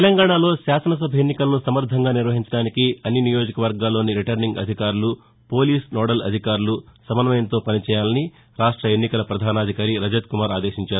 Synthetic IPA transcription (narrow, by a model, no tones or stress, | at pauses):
t̪elɐŋɡaːɳaːlo̞ːʃaːsɐnɐs̬ɐbʱɐenːikɐlɐnusɐmɐɾd̪ʱɐŋɡaːniɾʋɐɦiɲt͡ʃɐɽaːnikiɐnːinijo̞ːd͡ʒikɐʋɐɾɡaːlːo̞ːniɾiʈɐɾniŋɡɐ̰d̪ʱikaːɾulu | po̞ːliːsnɔːɽɐlɐ̰d̪ʱikaːɾulusɐmɐnɐmɐjɐnt̪o̞ːpɐnit͡ʃɛːjaːlɐni | ɾaːʂʈɾɐe̞nːikɐlɐpɾɐd̪ʱaːnaːd̪ʱikaːɾiɾɐd͡ʒɐt̪kumaːɾaːd̪e̞ːʃiɲt͡ʃaːɾuu